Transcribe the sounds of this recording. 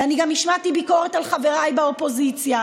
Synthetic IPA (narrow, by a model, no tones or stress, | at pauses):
aniɡamniʃmatibiko̞ʁetalχaveʁajbaopo̞zit͡sja